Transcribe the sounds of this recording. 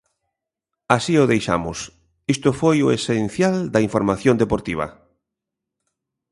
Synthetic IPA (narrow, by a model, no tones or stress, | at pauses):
asioðejʃa̰mʊs | ist̪ofojoesenθjald̪aiɱfoɾmaθjõnd̪epoɾt̪iβ̞a̰